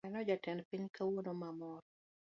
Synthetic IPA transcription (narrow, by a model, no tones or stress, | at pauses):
ɛnɔd͡ʒatɛnpiɲkawonomamɔɾ